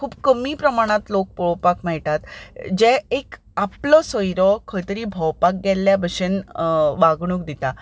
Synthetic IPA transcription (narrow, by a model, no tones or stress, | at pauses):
kʰuːbkəmiːpɾəmaɽ̃ãt̪lok̚pɔɭpakmɛɭʈat̪d͡ʑɛ̃ek | aplɔsɔjɾɔkʰəjt̪əɾiːbʱɔwpak̚ɡɛlːjabəʂenʋaɡɽ̃uːk̚d̪it̪a